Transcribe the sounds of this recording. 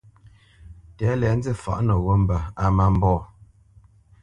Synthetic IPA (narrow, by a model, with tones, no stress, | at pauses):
tɛ˨˦lɛ˨˦n̩˦d͡zi˦fa̰˨ʔnə˨wo˦m˨bə˨a˨ma˦m̩˦bɔː˦˨